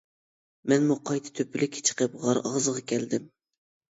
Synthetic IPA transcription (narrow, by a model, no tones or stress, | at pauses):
mɛnmuqʰɑjt̪ʰɨ̥t̪ʰøpʰɪlɪkʲʰːe̥t͡ʃʰə̥qəp̚ʁɑɾɑʁzəʁɑkʲʰɛld̪ɪm